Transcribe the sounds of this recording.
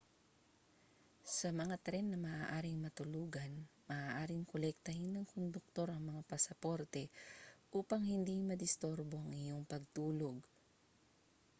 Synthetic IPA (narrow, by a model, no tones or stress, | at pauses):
sɐmɐŋat̪ɾɛnːɐmɐʔaːʔaːɾɪŋmɐt̪ʊluːɡɐnmɐʔaːʔaːɾɪŋkolɛk̚t̪ɐhɪnːɐŋkond̪ʊk̚t̪o̞ɾɐŋmɐŋapɐsɐpo̞ɾt̪ɛʔuːpɐŋhɪnd̪imɐd̪ɪst̪oɾbo̞ɐŋɪjo̞ŋpɐɡ̚t̪uːloɡ